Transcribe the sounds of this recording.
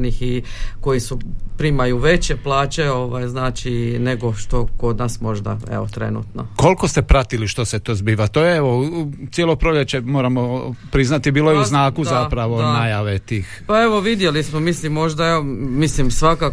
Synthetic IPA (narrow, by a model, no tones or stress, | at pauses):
nixiko̞jisupɾimajuʋe̞t͡ɕe̞plaːt͡ɕe̞o̞ʋajznaːt͡ʃine̞ɡo̞ʃt̪o̞ko̞d̪naːsmo̞ʒd̪a̰ḛʋot̪ɾe̞̰nṵt̪no̰ko̞lkost̪e̞pɾat̪iliʃt̪o̞set̪o̞zbiːʋat̪ojeeʋot̪sjelˠo̞pɾoʎet͡ɕemoːɾamopɾiznat̪ibiːlojeuznaːkuzzapɾaʋonajaʋet̪iːxpaeʋo̞ʋid̪je̞lismomislimːo̞ʒd̪aeomislimsʋaka